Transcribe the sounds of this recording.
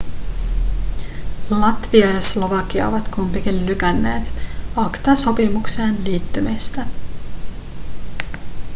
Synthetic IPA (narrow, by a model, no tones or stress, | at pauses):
lɑt̪ʋiɑjɑslo̞ʋɑk̟iɑ̰o̰ʋɑt̪kumpikillykænːe̞ːt̪ɑkt̪ɑso̞pimukseːnliːt̪ːymist̪æ